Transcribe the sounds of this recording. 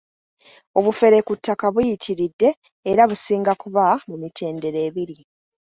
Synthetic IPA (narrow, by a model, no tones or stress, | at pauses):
o̞βufe̞ɾe̞kutʰːakaβujitʰiɾidːe̞ː | ɾaβusiːŋɡakuβamumitʰe̞ːnde̞ɾe̞ːβiɾi